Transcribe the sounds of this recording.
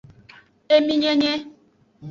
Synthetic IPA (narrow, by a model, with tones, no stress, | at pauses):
e˦mi˦ɲe˦ɲe˦